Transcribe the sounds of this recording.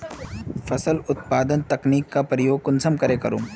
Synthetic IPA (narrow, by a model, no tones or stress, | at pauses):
fɐsəlʊt̪̚paːd̪ənt̪ɐkniːkːapɾəjoːɡ̚kʊnsəmkɐɾekɐɾṵ̃ː